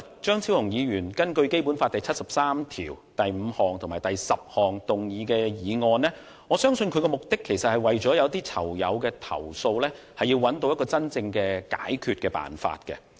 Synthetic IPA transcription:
t͡ʃœː˥ŋt͡sʰiː˥whʊ˨ŋjiː˨˧ɥyː˨˩nkɐ˥nkɵ˧ɥke˥jpuː˨˥nfaː˧t̪ɐ˨jt͡sʰɐ˥t̚sɐ˨p̚saː˥mt̪ʰḭː˨˩wt̪ɐ˨jm̩˨˧hɔː˨˩ŋt̪ʰʊ˨˩maː˨˩jt̪ɐ˨jsɐ˨p̚hɔː˨˩ŋt̪ʊ˨ŋjiː˨˧kɛː˧jiː˨˧ŋɔː˧nlɛː˥ | ŋɔː˨˧sœː˥ŋsɵ˧nkʰɵ˨˧ɥkɛː˧mʊ˨k̚t̪ɪ˥kʰːe˨˩jsɐ˨t̚hɐ˨˩jwɐ˨jt͡ʃɔː˨˥jɐ˨˧wt̪iː˥t͡sʰɐ̰˨˩wjɐ̰˨˧wkɛː˧t̪ʰɐ̰˨˩wso˧wlɛː˥ | hɐ˨ji˧wːɐ˨˥nt̪o˧wjɐ˥tkɔː˧t͡sɐ˥nt͡sɪ˧ŋkɛː˧ka̰ː˨˥jkʰyː˨t̚kɛː˧pa̰ː˨˩nfa̰ː˧t̚kɛ̰˧

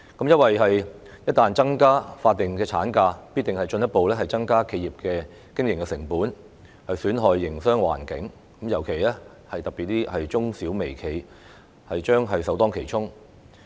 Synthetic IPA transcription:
kɐ˨˥mjɐ˥t̚wɐ˨jɦɐ˨j | jɐ˥t̪aː˨nt͡sɐ˥ŋkaː˥faː˧t̚t̪ːɪ˨ŋkɛː˧t͡sʰa̰ː˨˥nkaː˧piː˥t̪ɪ˨ŋhɐ˨jt͡ʃɵ˧njɐ˥t̚po˨wlɛː˥ɦɐ˨jt͡sɐ˥ŋkaː˥kʰe˧jiː˨p̚kɛː˧ | kɪ˥ŋjɪ˨ŋkɛ˧sɪ˨˩ŋpuː˨˥n | hɐ˨jsyː˨˥nɦɔː˨jːɪ˨˩ŋsœː˥ŋwa̰ː˨˩nkɪ˨˥ŋ | kɐ˨˥mjɐ˨˩wkʰe˨˩jlɛː˥ | hɐ˨jt̪ɐ˨k̚pi˨˩t̚t̪iː˥hɐ˨jt͡sʊ˥ŋsiː˨˥wme˨˩jkʰe˨˩j | hɐ˨jt͡ʃœː˥ŋɦɐ˨jsɐ˨˥wt̪ɔː˥ŋkʰe˨˩jt͡sʰʊ˥ŋ

